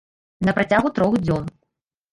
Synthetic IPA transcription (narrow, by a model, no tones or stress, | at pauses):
nɐpɾat͡sʲaɣut̪ɾɔɣd͡zʲɔn